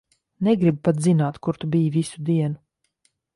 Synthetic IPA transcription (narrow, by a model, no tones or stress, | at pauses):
neɡɾibpat̪zinaːt̪kuɾt̪ubiːvisud̪iɛnu